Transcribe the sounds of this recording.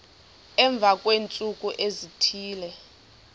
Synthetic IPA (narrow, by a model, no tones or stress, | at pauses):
ɛɱb̪vʱakʼweːnt͡sʼuk̬ʼuʔezitʰiːlɛ